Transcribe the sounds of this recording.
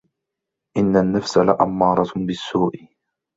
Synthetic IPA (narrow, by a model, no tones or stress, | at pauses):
ʔɪnːanːafsalaʔamːɑːɾˤɑbɪsːuːʔɪ